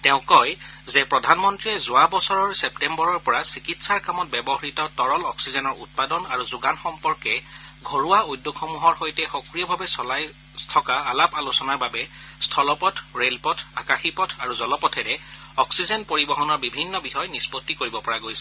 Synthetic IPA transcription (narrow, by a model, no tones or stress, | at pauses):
tɛʊ̃kɔj | zɛpɹɔdʱanmɔntɹiɛzʊabɔsɔɹɔɹsɛp̚tɛmbɔɹɔɹpɔɹasikitsaɹkamɔt̚bɛbɔɦɹitɔtɔɹɔlɔksizɛnɔɹṵt̚padɔnaɹuzʊɡanxɔmpɔɹkɛɡʱoɹuwaujdːokxɔmuɦɔɹxojtɛxɔkɹiɔbʱabɛsɔlaj | tʰɔkaːlapalusɔnaɹbabɛstʰɔlɔpɔtʰɹelpɔtʰakaxipɔtʰaɹuzɔlɔpɔtʰɛɹɛɔksizɔnpoɹibɔɦɔnɔɹbibʱinːɔbixɔjnispotːikoɹibɔpɔɹaɡojsɛ̥